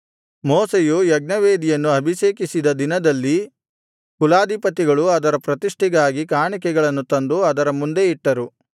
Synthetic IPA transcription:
mɔːsejujɐɡ̚nɐʋeːd̪ijɐnːuɐbʱiʃeːkisid̪ɐd̪inɐd̪ɐlːi | kulaːd̪ipɐt̪iɡɐɭuɐd̪ɐɾɐpɾɐt̪iʂʈiɡaːɡikaːɳik̬ɛɡɐɭɐnːut̪ɐnd̪uɐd̪ɐɾɐmund̪e̞iʈːɐɾu

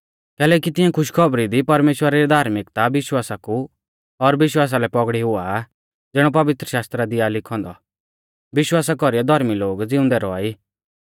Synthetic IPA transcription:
kɛːlɛːkit̪ɪ̃ãkʰʊʃkʰɔbɾid̪ipɐɾmeːʃwəɾaɾid̪ʱaːɾmɪkt̪aʋɪʃwaːsaku | ɔɾʋɪʃ̬waːs̬alɛpɔɡɽiɦʊa | d͡zɛɽ̃ɔp̬ɐʋɪt̪ɾəʃaːst̪ɾad̪ɪalɪkʰɔ̃ːnd̪ɔ̰ | ʋɪʃwaːsakɔɾijɔd̪ʱɔɾmiloːɡd͡zɪʊ̃nd̪ɛɾɔa̰ːiː

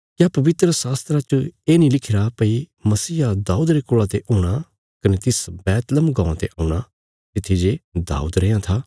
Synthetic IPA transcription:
kjapɐʋɪt̪ɾəsaːst̪ɾat͡ʃəeːnĩlɪkʰɪɾapɐimɐsiːad̪aːuːd̪ɾekʊɭat̪eʔoːɽ̃a | kɐnet̪ɪsbɛːt̪ləmɡãːãt̪eʔaːuɽ̃a | t̪ɪt̪ʰːid͡ʒed̪a̰ːṵːd̪ɾẽjãt̪ʰaː

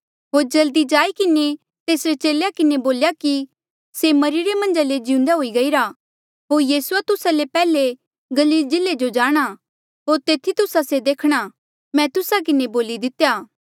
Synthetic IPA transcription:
ɦoːɾd͡ʒɐld̪id͡ʒaːikɪne | t̪eːsɾet͡ʃeːlejakɪneboːljaki | semɐɾiɾemɐ̃nd͡ʒaled͡ʒɪũnd̪aɦoːiɡɐiːɾa | ɦoːɾjiːsuat̪ʊsalepɛːle | ɡɐliːld͡ʒɪlːed͡ʒod͡ʒaːɽ̃a | ɦoːɾt̪eːt̪ʰit̪ʊsased̪eːkʰɽ̃a | mɛ̃t̪ʊsak̬ɪneboːlid̪ɪt̪ejaː

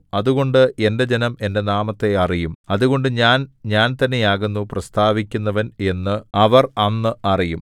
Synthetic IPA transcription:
ɐðuɣo̞ɳɖɨe̞nde̞d͡ʑe̞nɐme̞nde̞naːmɐt̪ːe̞ɐrijumɐðuɣo̞ɳɖɨɲaːnɲaːnt̪ɐnːejaːɣunːuprɐst̪ʰaːʋikʲːunːɐʋɐne̞nːɨɐʋɐrɐnːɨɐrijum

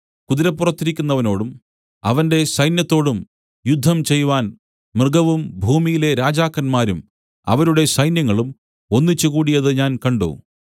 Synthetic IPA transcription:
kuðiɾɐpːurɐt̪ːiɾikʲːunːɐʋɐno̞ːɽum | ɐ̰ʋɐnde̞sɐjnjɐt̪ːo̞ːɽum | jud̪ʱːɐmt͡ɕe̞jʋaːn | mrɨɡɐʋumbʱuːmijile̞ɾaːd͡ʑaːkːɐnmaːɾum | ɐ̰ʋɐɾuɽe̞sɐjnjɐŋːɐɭum | o̞nːit͡ɕːukuːɽijɐðɨɲaːnkɐɳɖo̰ː

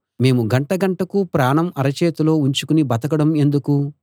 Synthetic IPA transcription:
me̞ːmuɡɐɳʈɐɡɐɳʈɐkupɾaːɳɐmɐɾɐt͡ʃeːt̪ulo̞ːuɲt͡ʃukunibɐt̪ɐkɐɽɐme̞nd̪uku

